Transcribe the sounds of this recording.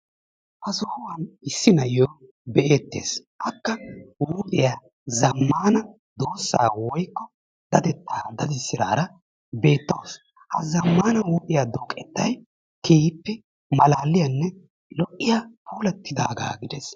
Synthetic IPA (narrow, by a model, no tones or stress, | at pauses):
hɐsɔhʊwɐnɪsːɪnɐjoː | bɛʔeːt̪ːḛːsʔɐkːɐwuːd̪ɪja | zɐmːaːnɐ | d̪o̞ːsːa̰ːwɔjkːɔ | d̪ɐd̪ɛt̪ʰːaːd̪ɐd̪ɪsɪɾaːɾɐ | be̞ːt̪ːɐws | hɐ̰zɐmːaːnɐwuːd̪ɪjaːd̪oːkʼːɛt̪ːɐj | kʰeːpːɛ | mɐlaːlːɪjɐnːɛ | lɔʔːɪjapuːlɐt̪ːɪd̪aːɡa̰ːɡɪd̪ɛs